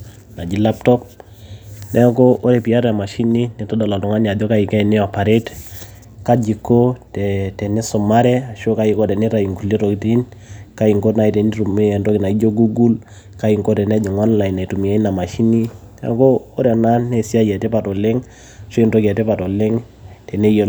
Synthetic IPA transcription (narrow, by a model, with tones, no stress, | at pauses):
na˨d͡ʒi˨la˦ptɔ˦p̚ | nɛ˦ko˦ʔo˦ɾɛ˨pi˨a˦ɾɛ˨a˨ma˨ʃi˦ni˦ni˨tɔ˦da˨la˨tɔ˨ŋa˦na˨dɔ˦ka˦i˨kɛ˦i˨nɛ˦a˨pa˨ɾe˦t | ka˦d͡ʒi˨kːo˦tɛtɛ˨ni˦sɔ˨ma˦ɾɛ˦a˨ʃo˦ka˦i˨kɔ˦tɛ˨ni˦ɾa˨i˨ŋku˨li˦ɾo˨kiti˦nka˦i˨ŋko˦tna˨i˨tɛ˨ni˦ɾu˨m˨ndɔ˦kɪ˨na˨i˦d͡ʒo˦ɡu˦ɡu˦l | ka˦i˨ŋko˦tɛ˨nɛ˦d͡ʒɔ˨ŋɔ˦nla˨ina˨i˨tu˨mi˨ja˦i˦na˨ma˨ʃi˦ni˦nɛ̰˦ko˦o˦ɾɛ˨na˦nɛ˨si˦a˦jɛ˨tɛ˦pa˨tɔ˨le˦ŋ | aʃo˦i˨nto˦kɛ˨tɛ˦pa˨tɔ˨le˦ŋ | tɛ˨ne˦j